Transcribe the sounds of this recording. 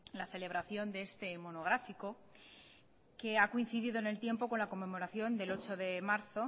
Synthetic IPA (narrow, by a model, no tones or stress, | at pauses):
laθe̞le̞β̞ɾaθjo̞nd̪e̞est̪e̞mo̞no̞ɣɾafiko̞ | ke̞akoin̟θiðiðo̞ene̞lt̪je̞mpo̞ko̞nlako̞mːe̞mo̞ɾaθjo̞nd̪e̞lo̞t͡ʃo̞ðe̞maɾθo̞